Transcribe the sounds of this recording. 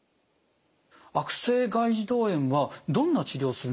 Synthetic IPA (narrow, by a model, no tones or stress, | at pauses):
akɯ̟̥se̞ːɡaiʑid̪o̞ːẽ̞ɰ̃βad̪õ̞nːat͡ɕid̪ʲo̞ːsɨɾɯ